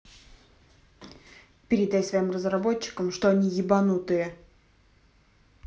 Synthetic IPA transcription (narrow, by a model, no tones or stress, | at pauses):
pʲɪɾʲɪd̪ːajsvɐimrəzrɐbo̞t͡ɕːɪ̥kəmʂt̪oɐnʲijɪbɐnut̪ɨjə